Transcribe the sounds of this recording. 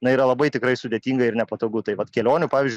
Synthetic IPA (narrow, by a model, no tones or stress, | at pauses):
nɐiːɾɐlˠɐbɐɪt̪ʲɪkɾɐɪsʊd̪ʲeːt̪ʲiːŋɡɐɪɾnʲɛpɐt̪oːɡʊt̪ɐɪʋɐt̪kʲɛlʲoːnʲʊpɑːʋʲɪːzʲd͡ʒ